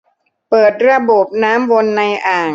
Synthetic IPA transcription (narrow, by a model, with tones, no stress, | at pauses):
pɤː˨˩t̪̚ɾa˧bo˨˩p̚naː˦˥mwo˧nːa˧jʔaː˨˩